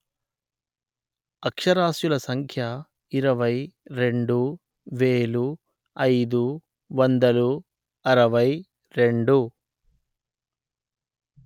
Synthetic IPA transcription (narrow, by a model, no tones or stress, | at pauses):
ɐkʂɐɾaːʃjulɐsɐŋkʰjɐ | iɾɐʋɐjɾe̞ɳɖu | ʋeːlu | ɐjd̪u | ʋɐnd̪ɐlu | ɐɾɐʋɐj | ɾe̞ɳɖu